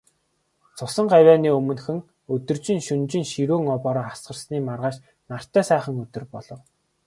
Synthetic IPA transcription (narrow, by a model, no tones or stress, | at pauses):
t͡sʰʊsə̆ɴɢawʲæːniːɵmɵ̆nxɘ̆ŋ | ɵt̪ɵ̆rt͡ɕɪ̆ŋʃɵnt͡ɕɪ̆ŋʃiɾuːŋɔpɔːɾɔːχasɢə̆rsniːmarʁaːʃ | nar̥t̪œːsæːχə̆ŋɵt̪ɵ̆rpɔɮɞ̆w